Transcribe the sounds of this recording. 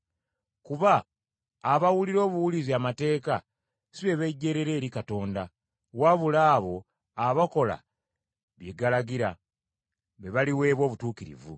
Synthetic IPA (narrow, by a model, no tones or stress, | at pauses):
kuβaː | βawuliɾo̞ːβuwuliziamate̞ːka | siβe̞βe̞ɟːe̞ɾe̞ɾe̞ːɾikato̞ːnda | waβulaːβo̞ | aβako̞la̰ | βjeɡalaɡiɾa | βe̞βaliwe̞ːβwo̞ːβutuːkiɾḭvṵ